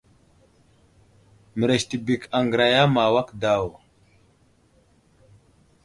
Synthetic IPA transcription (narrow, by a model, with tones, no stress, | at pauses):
mə˨ɾe˨sti˨bi˨ka˨ŋɡɾa˨ja˦ma˨wa˦kda˦˨w